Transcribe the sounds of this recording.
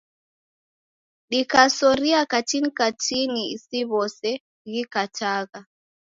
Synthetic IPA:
ɗikasɔɾiakatinikatiniisiβɔsɛ | ɣikataɣa

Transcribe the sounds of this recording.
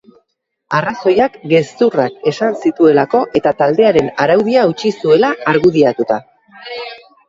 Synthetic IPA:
araso̞jakɡe̞st̪urake̞sansit̪ue̞lako̞ʔe̞t̪at̪ald̪e̞aɾe̞naɾawðiaut͡ʃisue̞laːɾɣuðiat̪ut̪a

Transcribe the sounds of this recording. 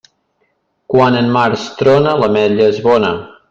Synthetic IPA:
kwanənmaɾst̪ɾɔnələmɛʎəezβɔnə

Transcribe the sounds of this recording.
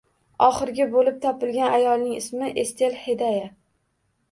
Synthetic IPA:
ɒχɨɾɡʲɪbolɪp̚t̪ʰɒpɪlɡʲanajɒlˠnɪŋɪsmɪʔest̪ʰe̞lhed̪aja

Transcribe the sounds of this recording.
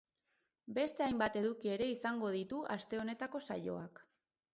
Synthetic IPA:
be̞st̪e̞ajmbat̪e̞ðukie̞ɾe̞isaŋɡo̞ð̞it̪uʔast̪e̞o̞ne̞t̪ako̞sa̰jo̞̰ak

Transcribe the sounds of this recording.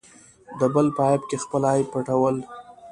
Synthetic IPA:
d̪əbəlpəɑɪb̚kexpəlɑjpaʈawəl

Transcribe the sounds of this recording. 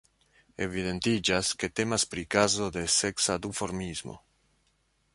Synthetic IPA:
e̞vide̞nt̪id͡ʒaske̞t̪e̞maspɾikazo̞d̪e̞se̞ksad̪ufo̞ɾmizmo̰

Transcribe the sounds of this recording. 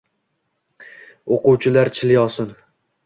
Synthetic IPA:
oqʊwt͡ʃʰɪlaɾt͡ʃʰɪljɒsɪn

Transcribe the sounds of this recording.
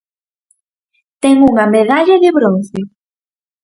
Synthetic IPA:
t̪ɛŋuŋɐmeðaʎaðɪβɾõnθe

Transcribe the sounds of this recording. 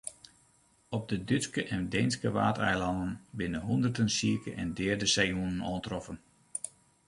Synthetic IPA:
ɔb̚dədyskəʔɛndɛjnskəʋa̰ːtɛ̰jlɑndənbɪnəɦundərdənsiəkə̰ʔɛ̰ndɛːrdəsɛjunənɔːntrɔfən

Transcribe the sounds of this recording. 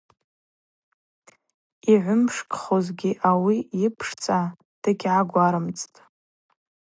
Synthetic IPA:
iʕʷʊmʂkʼχozɡʲiʔawiipʰʂt͡sʼa | d̥ɨɡʲʕaɡʷaɾɨmt͡sʼtʼ

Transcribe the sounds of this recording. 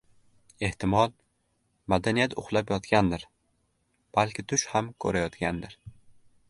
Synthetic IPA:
e̞ht̪ɪmɒlˠ | mad̪anijat̪ʊχlˠapjɒt̪kʲand̪ɪɾ | b̥alkʲɪt̪ʰʊʃhamkʰɵɾajɒt̪kʲand̪ɪɾ

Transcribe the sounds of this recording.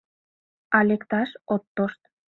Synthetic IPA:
ɑlekt̪ɑʃot̪ːoʃt̪̚

